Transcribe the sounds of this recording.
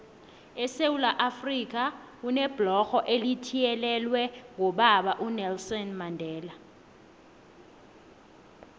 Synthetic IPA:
ɛsewulaʔafrik̬ʼa | k̬unɛb̥lɔxɔʔelitʰijɛlɛlwɛŋɔɓaɓaʔunɛlsɔnmandʱɛːla

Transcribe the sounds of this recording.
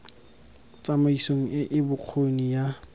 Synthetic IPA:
t͡sʼamaisoŋ̩ɪʔɪbʊq͡χʰonija

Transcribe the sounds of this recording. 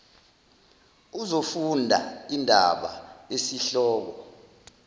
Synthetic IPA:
uzofundʱa̰indʱaɓa̰esiɬɔːk̬ɔ

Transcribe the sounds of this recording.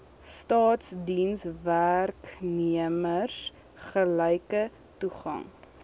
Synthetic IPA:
stɑːtsdinsværkniəmərs | χəlɛjkə | tuχɐ̰ŋ

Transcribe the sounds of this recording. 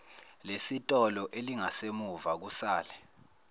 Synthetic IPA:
lesitʼɔlɔʔeliŋasemuvak̬usaːlɛ

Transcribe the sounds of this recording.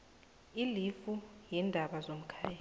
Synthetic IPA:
ilifujɛndʱaɓazom̩kʰaːja

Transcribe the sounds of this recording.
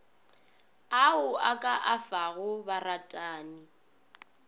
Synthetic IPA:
aʊakʼaʔafaɣʊbaratʼaːni

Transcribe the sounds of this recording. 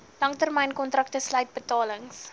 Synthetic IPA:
lɐŋtərmɛjnkɔntrɐk̚təsləɥt̚bətɑːləŋs

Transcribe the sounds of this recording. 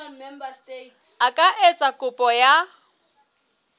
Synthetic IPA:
akʼaʔet͡sʼakʼʊpʼɔja

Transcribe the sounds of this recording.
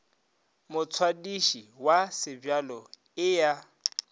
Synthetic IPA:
mʊt͡sʰwadiʃiwasɪbjalɔ | ɪja

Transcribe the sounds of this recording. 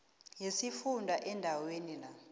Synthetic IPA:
jesifundʱaʔɛndʱawenila

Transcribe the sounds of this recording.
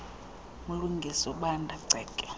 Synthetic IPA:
muluŋɡʱisɔɓandʱaǀʱɛːkʼɛ̥

